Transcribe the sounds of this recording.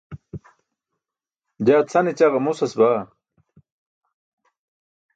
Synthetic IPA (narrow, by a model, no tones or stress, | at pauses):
d͡ʑaːt͡sʰɐnet͡ɕaʁɐmusɐsbaː